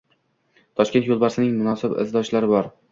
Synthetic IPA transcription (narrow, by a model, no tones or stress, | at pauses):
t̪ʰɒʃk̪ʲt̪jolˠbaɾsɪnɪŋmʊnɒsɪbɪ̰zd̪ɒʃlaɾɪbɒɾ